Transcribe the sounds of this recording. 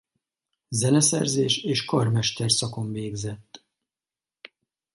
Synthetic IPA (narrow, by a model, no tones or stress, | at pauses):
zɛnɛsɛ̰rzeːʃeːʃkɒrmɛʃt̪ɛrsɒko̞ɱveːɡzɛt̪ː